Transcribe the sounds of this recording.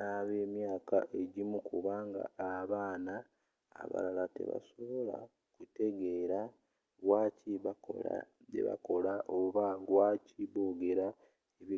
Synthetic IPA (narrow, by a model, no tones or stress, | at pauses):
naβe̞ːmjaːka̰ʔe̞ɟimukʰuβaŋɡa̰aβaːna̰ː | βa̰lalate̞̰βa̰so̞βo̞la̰ | kute̞ɡe̞ɾa | ɣwaːciβ̰a̰ | ɟḛβa̰ko̞laʔoβaɡwaːciβoːɡe̞ɾa | eβi